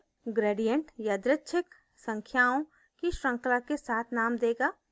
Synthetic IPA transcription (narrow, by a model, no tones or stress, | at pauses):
ɡɾeːɖijəɳʈjad̪ɾətːʃʰɪk | sə̃ŋkʰjaːõ | kiʃɾə̃ŋklakesaːt̪ʰnaːmd̪eːɡaː